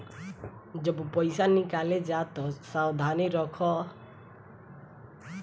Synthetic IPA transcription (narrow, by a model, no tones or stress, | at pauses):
d͡ʒɔbupɔjsanikaled͡ʒat̪ɔsawd̪ʱaniɾɔkʰɔ